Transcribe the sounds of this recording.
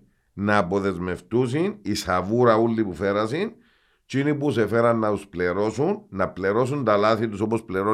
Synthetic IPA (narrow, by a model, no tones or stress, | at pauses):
nɐːpoðe̞zme̞ft̪us̬inisɐvuɾɐulːipufe̞ɾɐsin | t͡ʃinipusefe̞ɾɐnːɐt̪uspleɾo̞sunːɐpleɾo̞sunt̪ɐlɐθit̪uso̞pospleɾo